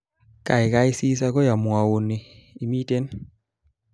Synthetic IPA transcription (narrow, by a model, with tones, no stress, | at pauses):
ka˨i˨ka˦i˦si˦s̬a˦kɔ˦ja˨mwa˨wo˨ne˨i˨mi˦te˦n